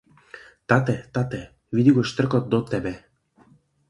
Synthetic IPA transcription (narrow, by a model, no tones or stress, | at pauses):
t̪ɑt̪et̪ɑt̪e | vid̪iɡot͡ɕt̪ərkot̪̚d̪ot̪ːɛbe